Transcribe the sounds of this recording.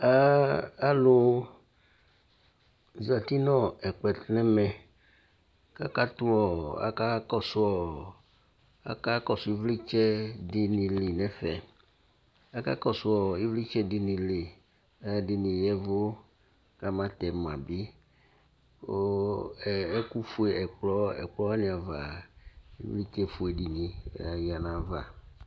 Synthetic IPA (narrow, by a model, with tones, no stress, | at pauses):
a˦a˦lo˦ | za˨t̪i˦nɔ̃˦ɛ˨k͡pɛ˨t̪nɛ˦mɛ̃˨ | ka˦ka˦t̪u˦ɔ˨a̰˦ka˦kɔ˦sɔ˨ | a̰˦ka˦kɔ˨su˨i˦vli˦t͡ʃɛ˦di˨nĩ˨li˨nɛ˨fɛ˨ | a˦ka˦kɔ˦sʊ˦ɔ˨i˦vli˦t͡ʃɛ˦dɪ˨ni˨le˨ | ɛ˦a˨dɪ˨nɪ̃˨jɛ˦vʊ˦ | ka˦mã˦t̪ɛ˨mã˨bi˦ | o˦˨ | ɛ˦ku˦fu˦ɛ˨ɛ˨k͡plɔ˦ɛ̰˨k͡plɔ˦a˦nɪ̃˨a˨va˨ | ḭ˦vli˦t͡ʃɛ˦fu˨ɛ˨di˨nĩ˨ɛ̰˦a˨ji˨a˨nã˨˦va̰˨